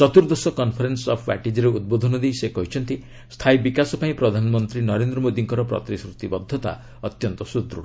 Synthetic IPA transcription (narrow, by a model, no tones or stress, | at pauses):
sɔt̪uɾd̪ɔsɔkɔnpʰɔɾensɔpʰbɛ̰ʈid͡ʒɔɾeud̪̚bod̪ʱɔnɔd̪ejsekɔɦit͡ʃʰɔnt̪i | st̪ʰajbikasɔpaĩpɾɔd̪ʱanɔmɔnt̪ɾinɔɾend̪ɾɔmod̪iŋkɔɾɔpɾɔ̰t̪ɾisɾut̪ibɔd̪ʱːɔt̪a̰ | ɔt̪jɔnt̪ɔsut̪ɾṵɽɔ